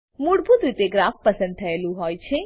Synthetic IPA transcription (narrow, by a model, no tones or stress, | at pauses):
muɽbʱut̪ɾit̪eɡɾafpəsənd̪̚t̪ʰəelũɦojt͡ʃʰe